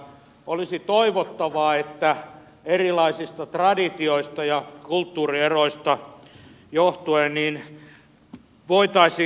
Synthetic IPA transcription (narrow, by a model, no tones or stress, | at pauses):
ʔolisit̪oiʋot̪ːɑʋɑːet̪ːæ | erilɑisist̪ɑt̪rɑdit̪ioist̪ɑjɑkult̪ːuːrieroist̪ɑ | joht̪uenniːn | ʋoit̪ɑisi